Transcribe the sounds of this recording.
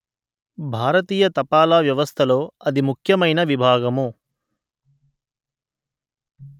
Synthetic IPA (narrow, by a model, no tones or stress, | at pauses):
bʱaːɾɐt̪iːjɐt̪ɐpaːlaːʋjɐʋɐst̪ʰɐloːɐd̪imukʰjɐmɐjnɐʋibʱaːɡɐmu